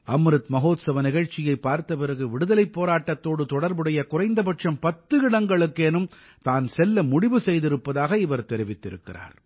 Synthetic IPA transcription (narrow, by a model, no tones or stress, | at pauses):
ɐmɾɯt̪mɐɣoːt̪sɐʋɐnɪɣɐɻt͡ʃːɪjɐɪpːaːɾt̪ɐpɪɾɐɣɯʋɪɽɯðɐlɐɪpːoːɾaːʈːɐt̪ːoːɽɯt̪ɔɽɐɾbɯɽɐjɐkʊrɐɪnd̪ɐpɐʈʂɐmpɐt̪ːɯɪɽɐŋɡɐɭɯkːeːnɯm | t̪aːnsɛlːɐmʊɽɪʋɯsɛjðɪɾɯpːɐðaːɣɐɪʋɐɾt̪ɛɾɪʋɪt̪ːɪɾɯ̰kːɪ̰ra̰ːɾ